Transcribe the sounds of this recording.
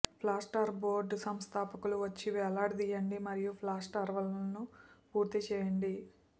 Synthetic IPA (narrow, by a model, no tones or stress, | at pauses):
pʰlaːsʈɐɾboːɾɖsɐmst̪ʰaːpɐkuluʋɐt͡ʃːiʋɛːlaːɽd̪iːjɐɳɖimɐɾijupʰlaːsʈɐɾʋɐlnupuːɾt̪it͡ʃɛːjɐɳɖi